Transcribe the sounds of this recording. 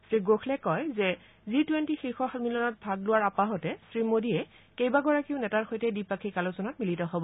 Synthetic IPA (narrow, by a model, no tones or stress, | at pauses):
sɹiɡoxʰlɛkɔjzɛ | zitwentixiɹxɔxatmilɔnɔt̚bʱaɡlʊwaɹapaɦɔtɛsɹimodiɛ | kejbaɡɔɹakiʊnɛtaɹxojtɛdipakʰikalusɔnɔt̚militɔɦɔbɔ